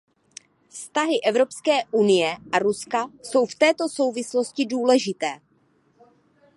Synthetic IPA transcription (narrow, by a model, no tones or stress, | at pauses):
fst̪aɦɪʔɛvɾo̞pskɛːʔunɪjɛʔaɾuskaso̞wft̪ɛːt̪o̞so̞wvɪslo̞scɪduːlɛʒɪt̪ɛː